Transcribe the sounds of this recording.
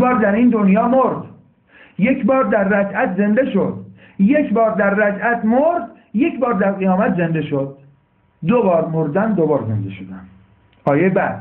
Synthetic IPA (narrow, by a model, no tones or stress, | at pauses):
bɒːɾd̪æɾiːnd̪o̞njɒːmoɾd̪ | je̞cʰbɒːɾd̪æɾːæd͡ʒæt̪ʰze̞nd̪e̞ʃo̞d̪̥ | je̞cʰbɒːɾd̪æɾːæd͡ʒæt̪ʰmoɾd̪ | je̞cʰbɒːɾd̪æɾɣijɒːmæt̪ʰze̞nd̪e̞ʃo̞d̪̚ː | obɒːɾmoɾd̪ænd̪o̞bɒːɾze̞nd̪e̞̰ʃod̪æn | ɒːjebæd̪̥